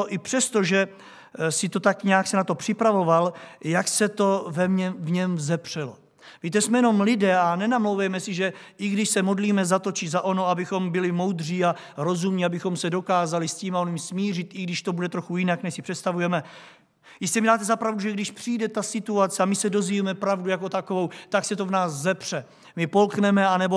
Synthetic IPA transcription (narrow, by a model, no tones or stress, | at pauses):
oʔɪpr̥ɛst̪oʒɛ | sɪt̪o̞t̪akɲaaksɛnat̪o̞pr̥ɪpɾavo̞valjaksɛt̪o̞vɛmɲɛvɲɛmzɛpr̝̥ɛlo | viːt̪ɛsmɛjɛno̞mlɪdɛːanɛnamlowvɛjmɛsɪʒɛʔɪɡdɪʃsɛmo̞dliːmɛzat̪o̞t͡ʃɪzaʔo̞no̞abɪxo̞mbɪlɪmo̞wd̪r̝iːa | ɾo̞zumɲiabɪxo̞msɛdo̞kaːzalɪsciːmaonɲimsmiːrɪt̪ʔɪɡdɪʃt̪o̞budɛt̪ɾo̞xujɪnaknɛʃsɪ̥pr̥ɛt̪st̪avujɛmɛ | jɪscɛmɪdaːt̪ɛzapɾavduʒɛɡdɪʃpr̝̥iːdɛt̪asɪt̪uat͡sɛamɪsɛdo̞zviːmɛpɾavdujako̞t̪ako̞vo̞wt̪aksɛt̪o̞vnaːszɛpr̥ɛ | mɪpo̞lknɛmɛanɛbo